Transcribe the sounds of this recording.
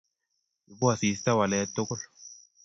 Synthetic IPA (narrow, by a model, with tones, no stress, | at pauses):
bu˦a˨si˨st̪a˦wa˨lɛ˦t̪ːʊ˦kʊ˦l